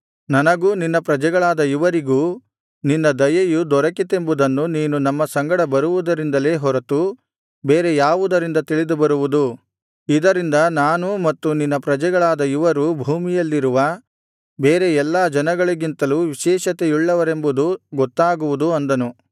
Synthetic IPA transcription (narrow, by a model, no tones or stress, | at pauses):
nɐnɐɡuːninːɐpɾɐd͡ʒɛɡɐɭaːd̪ɐiʋɐɾiɡuː | ninːɐd̪ɐjɐjud̪ɔɾɐkit̪e̞mbud̪ɐnːuniːnunɐmːɐsɐŋɡɐɽɐbɐɾuʋud̪ɐɾind̪ɐle̞ːɦɔɾɐt̪u | be̞ːɾejaːʋud̪ɐɾind̪ɐt̪iɭid̪ubɐɾuʋud̪u | id̪ɐɾind̪ɐnaːnumɐt̪ːuninːɐpɾɐd͡ʒɛɡɐɭaːd̪ɐiʋɐɾubʱuːmijɐlːiɾuʋɐ | beːɾe̞ɛlːaːd͡ʒɐnɐɡɐɭiɡint̪ɐluːʋiʃɛːʃɐt̪e̞iɭːɐʋɐɾe̞mbud̪uɡɔt̪ːaːɡuʋud̪uɐnd̪ɐnu